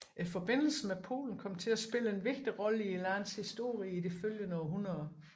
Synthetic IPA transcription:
ʔifɒ̽b̥e̝n̰l̩sn̩mepʰo̝̰ːln̩kʰɒ̽m̰t͡sʰe̝læsb̥e̝ləe̝nʋe̝ɡ̥̚d̥iʁɒ̽ləielænshisd̥o̝ɐ̰ʁiid̥eføljənɒɦunɐðˠɐ

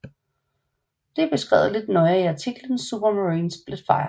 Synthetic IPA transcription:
d̥e̝b̥e̝sɡ̥ʁɛ̰ːʊðˠle̝d̥nɔ̽ɪəiɑ̈t͡sʰiɡ̥lən̩sːub̥ɐmæʁiːnsb̥læd̥fɑ̈ɪɐ

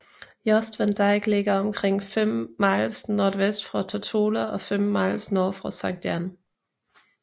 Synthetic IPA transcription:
jɒsd̥ʋənd̥ɑɪɡ̥leɡ̥ɐɒmkʰʁeŋ̰fem̰mɑ̈ɪlsnoːdʋesd̥fʁɑt͡sʰot͡sʰoːləɒ̽femmɑ̈ɪlsnɔːfʁɑsɑɡ̚d̥jæn

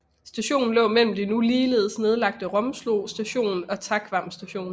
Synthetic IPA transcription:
sd̥æɕo̝̰ːn̩lɔ̰̽ːmel̰m̩d̥inuliːle̝ð̩ˠsne̝ð̞ˠlɑ̈ɡ̥̚d̥əʁɒ̽msloːsd̥æɕo̝̰ːn̩ɒ̽t͡sʰɑkʰʋɑ̈msd̥æɕo̝̰ːn

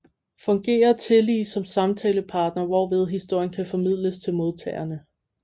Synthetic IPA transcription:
fɒ̽ŋɡ̥e̝̰ːɐt͡sʰe̝lḭːsɒ̽msɑ̈mt͡sʰɛːləpʰɑ̈ːd̥nɐʋɒʋe̝ð̞ˠɦisd̥o̝ɐ̰jənkʰæfɒ̽mið̞̰ˠləst͡sʰelmo̝ð̞ˠt͡sʰɛːɐnə

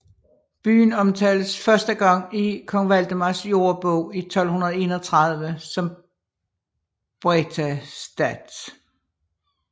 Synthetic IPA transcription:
b̥y̰ːnɒ̽mt͡sʰɛːləsfɶɐsd̥əɡ̥ɑ̈ŋ̰ikʰɒ̽ŋʋæl̰d̥əmɑsjo̝ːɐb̥ɔʊ̰it͡sʰɒ̽l̰hunɐð̞̩ˠe̝ːnɐt͡sʰʁɑ̈ð̞ˠʋəsɒ̽m | b̥ʁɛt͡sʰæsd̥æd̥

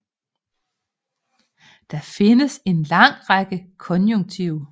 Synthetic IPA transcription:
d̥ɑ̈fe̝nəse̝nlɑ̈ŋ̰ʁɑɡ̥əkʰɒ̽njoŋt͡sʰiʊ

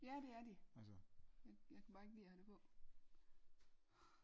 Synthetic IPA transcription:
jæd̥e̝æɐd̥iæsɐjɑjɑ̈ɪkʰæb̥ɑ̈ːe̝ɡ̥əlḭːhæd̥e̝pʰɔ̽

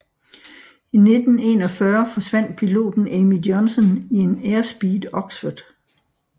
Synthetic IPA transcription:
ine̝d̥n̩e̝ːnɒ̽fɶɐfɒ̽sʋæn̰d̥̚pʰilo̝̰ːd̥n̩emijɒnsɔnie̝neːɐsb̥iːd̥ɒ̽ɡ̥sfɔd̥ˠ

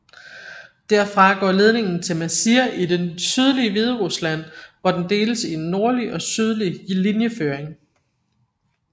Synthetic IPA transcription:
d̥æɐfʁɑ̈ɡ̥ɒ̰ːle̝ð̞ˠne̝ŋn̩t͡sʰe̝lmæsiɐʔid̥esyð̞ˠliəʋið̞ˠəʁuslæn̰ʋɒd̥end̥e̝̰ːləsienːo̝ɐliʔɒ̽syð̞ˠlilinjəføːɐeŋ

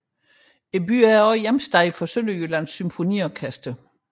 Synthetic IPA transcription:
e̝b̥y̰ːæɐɒ̽ɪjemsd̥ɑɪfɒ̽sønəjølænsːymfo̝nḭːɒkʰæsd̥ə

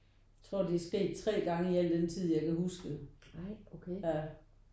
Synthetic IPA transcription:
t͡sʰʁo̝ɐ̰d̥iæɐsɡ̥e̝̰ːd̥̚t͡sʰʁɛ̰ːɡ̥ɑ̈ŋəiæl̰d̥ent͡sʰið̞̰ˠjɑ̈ɪkæhusɡ̥ə | okʰeæ

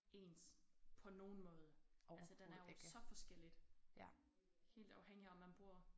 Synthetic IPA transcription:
e̝ːnspʰɒ̽no̝ːn̩mɔ̽ːð̞ˠəæsəd̥ennæɐjosɒ̽fɒ̽sɡ̥el̰id̥ | he̝̰ːld̥ɑ̈ʊheŋ̰liɒmːænb̥ʁuɐ̰

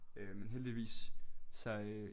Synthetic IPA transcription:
menɦeld̥iʋḭːssɑɪ

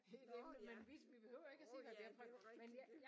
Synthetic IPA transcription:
ed̥emnəmenʋiʋib̥e̝høʊ̰ɐe̝ɡ̥æse̝̰ːhæd̥eɐpʰʁœ̥menj

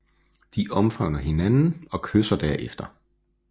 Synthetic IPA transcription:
d̥iʔɒ̽mfʁɑʊnɐɦe̝nænn̩ɒ̽kʰøsɐd̥æɐ̰ʔefd̥ɐ

